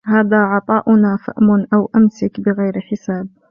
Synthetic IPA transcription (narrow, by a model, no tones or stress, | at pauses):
haːðaːʕɑt̪ˤɑːʔʊnaːfa̰ʔmʊnʔawʔamsakbɪɣajɾħɪsaːb̚